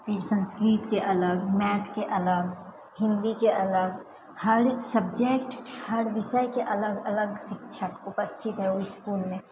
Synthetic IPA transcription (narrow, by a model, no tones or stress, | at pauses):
pʰɪɾsə̃nskɾiːt̪keʔɐləɡmɛːt̪ʰkeʔɐləɡ | hɪ̃nd̪ikeʔɐləɡ | hɐɾsəbd͡ʒekʈhəɾʋɪʃəjkeʔɐləɡɐləɡʃɪkʃʰəkʊpəst̪ʰɪt̪ɦɛoiskuːlmẽ